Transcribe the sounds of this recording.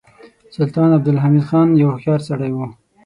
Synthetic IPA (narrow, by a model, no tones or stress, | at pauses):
sʊlt̪ɑːnab̚d̪ɪlɦamid̪xɑːnjawxjɑɾsaɽajwu